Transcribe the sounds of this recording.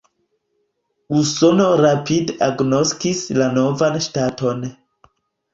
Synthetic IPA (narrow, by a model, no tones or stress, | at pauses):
uso̞no̞ɾapidaɡno̞skislano̞vanʃtato̞n